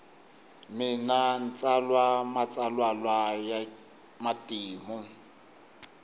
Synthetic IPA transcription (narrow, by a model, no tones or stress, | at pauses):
mɪnan̩t͡sʼalwamat͡sʼalwalwaja | matʼiːmʊ